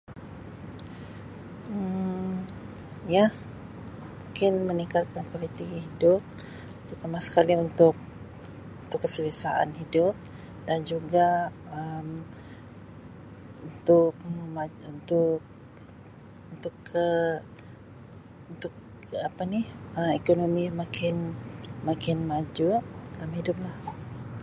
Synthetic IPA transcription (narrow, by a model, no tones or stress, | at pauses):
ə | ja | muŋkɪnmənikalkankalit̪iɡiɦidʊp̚ | unt̪ʊkːamasə̥kaliunt̪ʊk̚ | unt̪ʊkːəsələsaʔa̰nhidʊp̚ | dand͡ʒuɡa | əm | unt̪ʊk̚mmaunt̪ʊk̚ | unt̪ʊkʰːə | unt̪ʊk | apanihəmekonomimakʰɪnmakɪnmad͡ʒulamhidʊp̚lah